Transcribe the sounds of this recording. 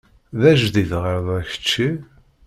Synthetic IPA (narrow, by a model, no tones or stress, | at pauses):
ðæʒðiðʁəɾðˤæçə̥t͡ʃːi